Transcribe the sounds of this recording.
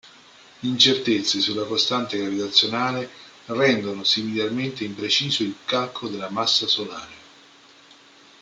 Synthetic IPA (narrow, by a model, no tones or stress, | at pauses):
leint͡ʃert̪et̪sːesulːakost̪ant̪eɡɾavit̪at̪sːjonaːle | rɛnd̪onosimiljarment̪eimpɾet͡ʃiːzoilkalkʰod̪elːamasːasolaːɾe